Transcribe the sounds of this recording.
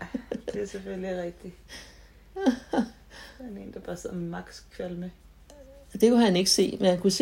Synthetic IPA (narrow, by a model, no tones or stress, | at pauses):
d̥e̝æɐseføliʁɛɡ̥̚d̥i | ne̝̰ːnd̥ɑ̈b̥ɑ̈ːsmmɑ̈ɡ̥skʰʋælmə | d̥e̝kʰuɦæne̝ɡ̥əse̝̰ːmenhænkʰuse